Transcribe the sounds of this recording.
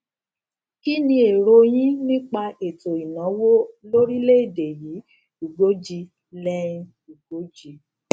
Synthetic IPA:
ki˦nĩ˧e˨ɾo˧j̃ĩ˦nĩ˦k͡pa˧e˨to˨i˨nã˨˦wo˦lo˦ɾi˦le˦i˨de˨ji˨˦ | u˨ɡo˨˦d͡ʒi˧ | lɛ˦ĩ˦˧ | u˨ɡ̥o˨˦d͡ʒi˨˧

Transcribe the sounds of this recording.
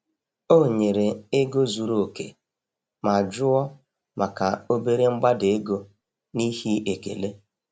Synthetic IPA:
o˦˨ɲe˨ɾe˨e˦ɡo˦zu˨ɾo˨o˨kḛ˨ | ma˨a˨d͡ʒʊ˦ɔ˦ | ma˨ka˨o˦be˦ɾe˦ŋ͡m̩˦ɡ͡ba˦de˨e˦ɡo˦ | ni˦hi˦e˨kḛ˨le˦

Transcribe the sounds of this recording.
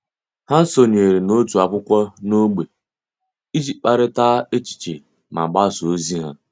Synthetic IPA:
ha˦n̩˦so˨ɲ˨e˨ɾe˨no˦tu˨a˨kʷʊ˦kʷɔ˦no˦ɡ͡be˨ | i˦d͡ʒi˨k͡pa˦ɾɪ˦taː˦e˦t͡ʃi̥˨t͡ʃe˨ | ma̰˨ɡ͡ba˦˨so˦zi˦ɦa̰˦

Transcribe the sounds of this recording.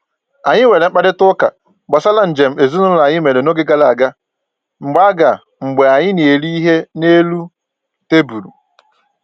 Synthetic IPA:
a˨ɲɪ˦we˨le˨ŋ͡m̩˦k͡pa˦dɪ˦tʊ˦ka̰˨ | ɡ͡ba˨sa˦la˦n̩˨d͡ʒe˨m̩˦e˨zu˦nʊ˦ʊ˦a˨ɲɪ˦me˨ɾe˨no˦ɡɪ˦ɡa˦la˨ɡa˦ | ŋ͡m̩˨ɡ͡ba˦ɡa˨ | ŋ͡m̩˨ɡ͡be˨a˨ɲɪ˦ne˨e˨li˦i˦ɦe˦ne˦lu˦ | te˦bu˨ɾṵ˨

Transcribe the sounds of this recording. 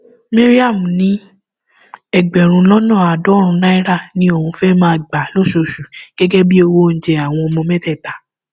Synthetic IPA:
me˦ɾi˦a˦˨mũ˨nĩ˨˦ | ɛ˨ɡ͡bɛ˨ɾ̃ũ˧lɔ˦nɔ̃ː˦˨a˨dɔ˨˦ɾ̃ũ˧na˦i˦ɾa˦˨nĩ˦o˦˨ũ˧fɛ˦mãː˦˨ɡ͡ba˨lo˦˨ʃo˧˨ʃu˨ɡ̥ɛ˦ɡɛ˦bi˦o˧wo˦ñ̩˨d͡ʒɛ˧a˨w̃ɔ̃˧o˧mɔ̃˧mɛ̃˦tɛ˦˨ta˨˦

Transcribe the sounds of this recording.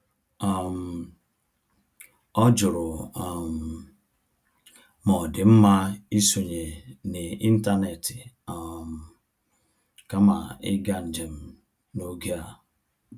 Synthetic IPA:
a˨m̩˨ | ɔ˦d͡ʒʊ˨ɾʊ˨m̩˨ | mɔ˨dɪ˨m̩˦ma˦i˦so˨ɲe˨nɪ˨i˦n̩˦ta˦ne˨tɪ̥˨ | m̩˨ | ka˦ma̰˨ɪ̰˦ɡa˦n̩˨d͡ʒe˨m̩˨˦ | no˦ɡe˦a˨

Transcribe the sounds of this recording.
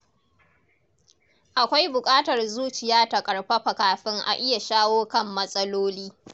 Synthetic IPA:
ʔa˨kʷa˦jbʊ˨kʼaː˦tɐ˨rzuː˦t͡ʃɪ˨jaː˦ta˨kʼɐ˨ɽɸɐ˦ɸɐ˨kaː˨ɸɪ˦ŋʔa̰˨ʔɪ˦ja˨ʃaː˦woː˦kɐ˦mːɐ˦sʼɐ˦loː˦liː˦

